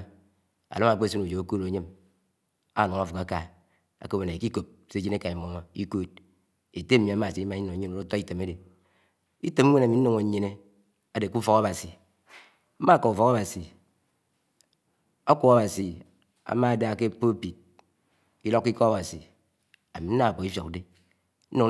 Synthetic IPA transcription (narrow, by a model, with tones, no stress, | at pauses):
a̰˨lo˦a˨k͡pe˦si˦nu˨d͡ʒo˨a˨˦ko˦ɾo˨˦ɲe˦m | a̰˦˨no˨ŋa˦fu˨ka˦ka˨ | a̰˨ko˦˨me˨ne˨ki˦ko˨p̚se˦d͡ʒi˦ne˦ka˨i˨m˨o˨˦ma˦i˦ko˦t̚ | e˨te˦m̩˦mi˨a˨˦ma˨si˦i˦ma˦i˦no˨˦e˦no˨ɾo˦tɔ˦i˦te˨me˦de˨ | i˦te˨mʷ˦e˦na˨mi˨˦n̩˦no˨ŋo˨˦ɲe˦ne˦ | a˨de˨ku˦fɔ˨ka˦ba˨si˨ | m̩˦ma˦˨ko˨u˨fɔ˨ka˦ba˨si˨ | a˦kʷu˦a˦ba˨si˨ | a̰˨ma˦˨da˦˨ke˦po˦pi˨t̚ | ki˦lo˦kːi˦kɔ˦a˦ba˨si˨ | a̰˨mi˨n̩˦a˦a˨po˨i˦fjo˨kde˦ | n̩˦no˦